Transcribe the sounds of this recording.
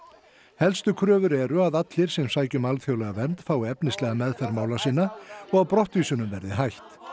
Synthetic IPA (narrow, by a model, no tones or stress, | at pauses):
hɛlst̪ʏkʰɾœːvʏɾɛɾʏaðat̪lɪɾ̥sɛmsaːjcʏmalθjowlɛɣavɛnt̪faːwɛpnɪst̪lɛːɣamɛðfɛɾmaːwlasiːnaɔɣawpɾɔht̪viːsʏnʏmvɛɾðɪ̰ɦajht̪